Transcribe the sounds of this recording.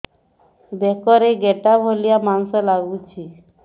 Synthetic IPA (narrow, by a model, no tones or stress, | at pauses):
d̪ekɔɾeɡeʈabʱɔlijamansɔlaɡut͡ʃʰi